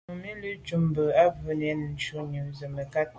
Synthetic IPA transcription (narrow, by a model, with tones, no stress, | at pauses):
mi˦lə˦t͡ʃu˨mbə˨a˦və˨n˨ɛ˨˦n˨n̩˨˦t͡ʃu˦ɲu˨ŋzə˨mə˨ka˦t̚